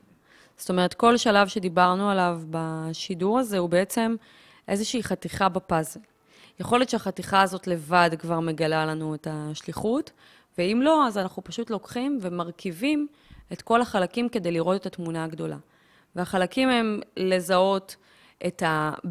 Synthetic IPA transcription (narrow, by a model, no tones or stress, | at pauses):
z̥t̪o̞me̞ʁetko̞lʃalavʃe̞d̪ibaʁnualavbaʃiduʁaze̞hubeet͡se̞m | ʔe̞zeʃiːχatiχabapazel | jeχo̞let̪ʃeaχatiχaːzo̞tle̞vadkvaʁme̞ɡalalanuetaʃliχut | veimlo̞azanaχnupaʃutlo̞kχimve̞maʁkivim | e̞tko̞laχalakimke̞dejliʁo̞te̞tatmunaːɡdo̞la̰ | veaχalakimhemle̞zao̞t | ʔeta